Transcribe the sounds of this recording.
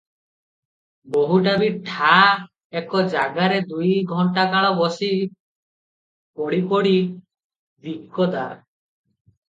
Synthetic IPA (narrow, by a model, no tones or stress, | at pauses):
boɦuʈabiʈʰa | ekɔd͡ʒaɡaɾed̪ujɡʱɔɳʈakaɭɔbɔsi | pɔɽipɔɽi | d̪iʔkɔd̪aɾ